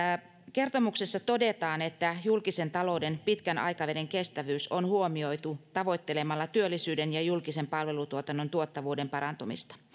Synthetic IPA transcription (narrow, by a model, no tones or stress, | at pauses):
ke̞rt̪omuksesːɑt̪o̞det̪ɑːne̞t̪ːæjulkise̞nt̪ɑlo̞wdenpit̪kænʔɑ̰jkɑʋedeŋke̞st̪æʋyːsonhuomio̞it̪ut̪ɑʋo̞jt̪ːe̞lemɑlːɑt̪yølːisyːdenjɑjulkise̞mpɑlʋe̞lut̪uot̪ɑnːo̞nt̪uot̪ːɑʋuːde̞mpɑɾɑnt̪umḭst̪ɑ̥